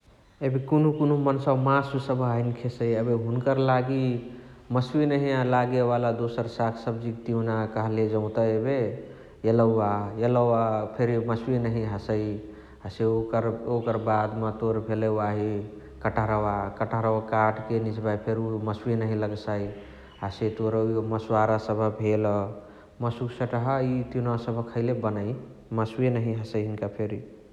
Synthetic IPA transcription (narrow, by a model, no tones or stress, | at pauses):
ebekonukonumənsəmasusəbʱaɦinkʰesəjəbeɦunkəɾlaɡi | məswinəɦialaɡebalad̪osəɾsakʰsəbd͡ʒik̚t̪inakəɦled͡ʒə̃ʊ̃t̪əebe | jələajələapʰeɾməswinəɦĩɦəsəj | ɦəseokəɾokəɾbad̪mət̪oɾbʱelewaɦi | kəʈʰaɾəwakəʈaɾəakaʈkenit͡ʃbajpʰeɾuməswenəɦĩləɡsai | əset̪oɾməswaɾasəbʱəbʱelɔ | məsuksə̃ʈəɦəit̪inasəbʱəkʰəɪlebənai | məswenəɦĩɦəsəiɦinkapʰeɾi